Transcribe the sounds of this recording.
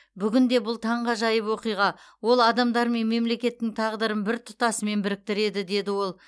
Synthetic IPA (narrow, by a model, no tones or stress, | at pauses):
bʏɡʲɪnd̪e̞bʊlˠt̪ʰɑɴʁɑʒɑjəpwo̞qijʁɑ | wo̞lˠɑd̪ɑmd̪ɑɾme̞nme̞mle̞kʲe̞t̪ːɪŋt̪ʰɑʁd̪əɾəmbɪɾt̪ʰʊ̥t̪ɑsəme̞nbɪɾɪk̚t̪ɪɾe̞d̪ɪd̪e̞d̪ɪwo̞lˠ